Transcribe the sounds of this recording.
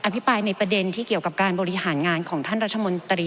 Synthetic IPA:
ʔa˧pʰi˦˥pɾaː˧jna˧jpɾa˧de˧nt̪ʰiː˥˩ki˨˩əwka˨˩p̚kaː˧nbɔː˧ɾi˦˥haː˩˦nŋaː˧nkʰɔː˩˦ŋt̪ʰaː˥˩nɾa˦˥t̪̚t̪ʰːa˧mo˧nt̪ɾiː˧

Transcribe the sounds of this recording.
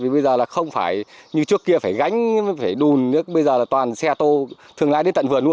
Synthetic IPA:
vi˨˩ɓə˧jzəː˨˩laː˨˩xə˧wŋ͡mfaː˧˩jɲɨ˧t͡ɕɨ˦˥əkːi˧əfaː˧˩jɣa˨˦jŋ̟faː˧˩jɗu˨˩nɨ˦əɓə˧jzəː˨˩laː˨˩t̪waː˨˩nsɛ˧t̪o˧t̪ʰɨ˨˩əŋlaː˧ɗe˨˦nt̪ə̰˧˨nvɨ˨˩ənu˧ə

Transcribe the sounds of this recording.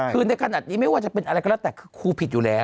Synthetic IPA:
kʰɯː˧na˧jkʰa˧naː˨˩t̪̚niː˦˥ma˥˩jwaː˥˩t͡ɕa˨˩pe˧nʔa˧ɾa˧jkɔ˧lɛː˦˥˩t̪ɛː˨˩kʰɯː˧kʰuː˧pʰi˨˩t̪̚juː˨˩lɛː˦˥

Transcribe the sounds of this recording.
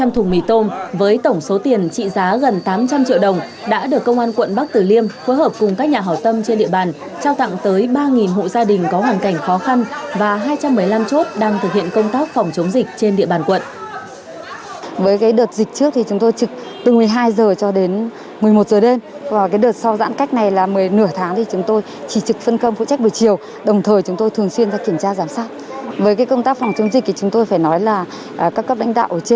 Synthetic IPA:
t͡ɕa˧mt̪ʰʊ˨˩ŋ͡mmi˨˧˩t̪o˧mvəː˨˦jt̪ə˧˩wŋ͡mso˨˦t̪i˨˩ənt͡ɕḭ˧˨zaː˨˦ɣə˨˩nt̪aː˨˦mt͡ɕa˧mt͡ɕḭ˧˨əwɗə˨˩wŋ͡m | ɗa̰ː˧˥ɗɨ˨˩əkːə˧wŋ͡mʔaː˧nkwə̰˧˨nɓa˦˥k̚t̪ɨ˨˩li˧əmfoː˨˦jɦəː˨˩p̚kʊ˨˩ŋ͡mkaː˦˥k̚ɲaː˨˩ɦa˨˩w̚t̪ə˧mt͡ɕe˧nɗḭ˧˨əɓaː˨˩n | t͡ɕaː˧wt̪a̰˧˨ŋt̪əː˨˦jɓaː˧ŋi˨˩nɦṵ˧˨zaː˧ɗï˨˩ŋ̟kɔ˨˦ɦwaː˨˩nka˧˩jŋ̟xɔ˨˦xa˧nvaː˨˩ɦaː˧jt͡ɕa˧mːɨ˨˩əjla˧mt͡ɕo˦˥t̚ɗaː˧ŋt̪ʰɨ˨˩k̚hḭ˧˨ənkə˧wŋ͡mt̪aː˦˥k̚fɔ˨˩wŋ͡mt͡ɕə˨˦wŋ͡mzi˨˩k̟̚t͡ɕe˧nɗḭ˧əɓaː˨˩nkwə̰˧˨nʔ | vəː˨˦jkaː˨˦jɗəː˨˩t̚zï˨˩k̟̚t͡ɕɨ˦˥ək̚t̪ʰi˨˩t͡ɕʊ˨˦ŋ͡mt̪o˧jt͡ɕɨ˨˩k̚ | t̪ɨ˨˩ŋmɨ˨˩əjɦaː˧jzəː˨˩t͡ɕɔ˧ɗe˨˦n | mɨ˨˩əjmo˨˩t̚zəː˨˩ɗe˧m | vaː˨˩kaː˨˦jɗəː˨˩t̚sɔ˧wza̰ː˧˥nka˦˥jk̟̚na˨˩jlaː˨˩mɨ˨˩əjnɨ˧˩ət̪ʰaː˨˦ŋt̪ʰi˨˩t͡ɕʊ˨˦ŋ͡mt̪o˧j | t͡ɕi˧˩t͡ɕɨ˨˩k̚fə˧nkə˧wŋ͡mfṵ˧˨t͡ɕa˦˥k̚ɗɨ˨˩t͡ɕi˨˩əw | ɗə˨˩wŋ͡mt̪ʰəː˨˩jt͡ɕʊ˨˦ŋ͡mt̪o˧jt̪ʰɨ˨˩əŋswi˧ənzaː˧ki˧˩əmt͡ɕaː˧zaː˨˦msaː˦˥t̚ | vəː˨˦jkaː˨˦jkə˧wŋ͡mt̪aː˦˥k̚fɔ˨˩wŋ͡mt͡ɕə˨˦wŋ͡mzï̟˨˩t̪i˨˩t͡ɕʊ˨˦ŋ͡mt̪o˧jfaː˧˩jnɔ˨˦jlaː˨˩˨ | kaː˦˥kə˦˥p̚la̰˧˥ŋ̟ɗa̰ː˧˨wʔt͡ɕe˧˦

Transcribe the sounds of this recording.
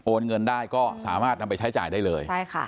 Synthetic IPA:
ʔoː˧nŋɤ˧ndaː˥˩jkɔː˥˩sa̰ː˩˦maː˥˩t̪̚na˧pa˧jt͡ɕʰa˦˥jt͡ɕa̰ː˨˩jdaː˥˩jlɤː˧jt͡ɕʰa˥˩jxa˥˩

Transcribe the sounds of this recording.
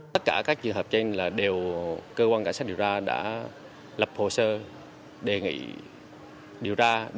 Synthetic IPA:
t̪ə˦˥t̚kaː˧˩kaː˦˥k̚t͡ɕɨ˨˩əŋɦəː˨˩p̚t͡ɕe˧nlaː˨˩ɗe˨˩wkəː˧kwaː˧nkaː˧˩nsa˦˥t̚ɗi˨˩wt͡ɕaː˧ɗa̰ː˧˥ | lə˨˩p̚ho˨˩səː˧ | ɗe˨˩ŋḭ˧˥˨ | ɗi˨˩əwt͡ɕaː˧

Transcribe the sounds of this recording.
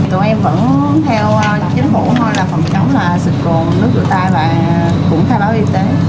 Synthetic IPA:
t̪o˧˩ʔɛ˧mvə̰˧˥n˦t̪ʰɛ˧wt͡ɕï˨˦ŋ̟fṵ˧˩˥h̪o˧jlaː˨˩fə̰˧˨˩mt͡ɕə˨˦wŋ͡mlaː˨˩sɨ˨˩t̚ku˨˩ənnɨ˦˥k̚zṵ˧˩t̪aː˧jlaː˨˩ | kʊ̰˧˥ŋ͡mxʰaː˧jɓaː˨˦˥ʔi˧t̪e˨˦

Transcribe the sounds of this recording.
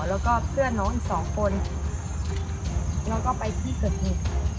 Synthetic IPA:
lɛː˦˥wkɔː˥˩pʰɯ˥˩ɐnɔː˧˥ŋʔi˨˩k̚sɔː˩˦ŋkʰo˧n | lɛː˦˥wkɔː˥˩pa˧jt̪ʰiː˧˥˩kʰɤː˨˩t̪̚hiː˨˩

